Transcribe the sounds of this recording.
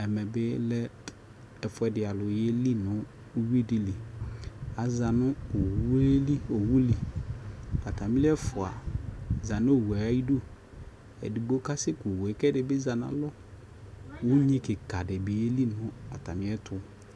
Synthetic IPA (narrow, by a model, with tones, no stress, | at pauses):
ɛ˨mɛ˨bɪ˦lɛ˦ | ɛ˨fʊ˦ɛ˨dɪ˨a˨lʊ˨jɛ˦li˦nʊ̃˦ | wi˦˨di˨li˨ | a˨zã˨nʊ̃˦˨wli˦o˨wu˦li˨ | a˨ta˨mĩ˦lɪ˦ɛ˦fʊ˨a˨za˨nʊ˦o˨wa˨a˦ji˦do˦ | ɛ̰˨di˨bo˦ka˦sɪ˦kʊ˨wɛ˨˦kɛ˦dɪ˨bɪ˦za˨nã̰˨lɔ˦ | wʊ˦ɲĩ˦kɪ˨ka˨dɪ˨bɪ˨je˦li˦nʊ̃˦a˨ta˨mɪ̃˨˦ɛ˦tʰʊ˦